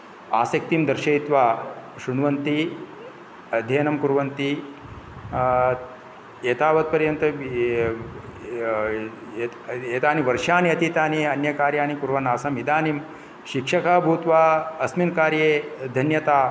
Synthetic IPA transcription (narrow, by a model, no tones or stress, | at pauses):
aːsɐk̚t̪imd̪ɐɾʃɐjit̪ʋaːʃunʋɐnt̪i | ɐd̪ʱjeːnɐmkuɾʋɐnt̪i | eːt̪aːʋɐt̪̚pɐɾjɐnt̪ɐ | eːt̪aːniʋɐɾʃaːniɐt̪it̪aːniɐnjɐkaːɾjaːnikuɾʋɐnaːsɐmid̪aːnim | ʃikʂɐkaːbʱuːt̪ʋaːɐsminkaːɾjeːd̪ʱɐnjɐt̪aː